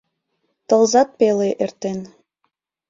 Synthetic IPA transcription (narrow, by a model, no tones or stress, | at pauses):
t̪ɤ̆lˠzɑt̪̚peleʔert̪en